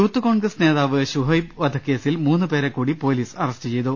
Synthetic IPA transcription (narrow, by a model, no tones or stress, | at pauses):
juːt̪ːuko̞ːɳɡɾɐsne̞ːðaːʋɨɕuɦɐjbʋɐd̪ʱɐkːe̞ːsilmuːnːupe̞ːɾekːuːɽipo̞ːliːsɐrɐstɨt͡ɕe̞jt̪u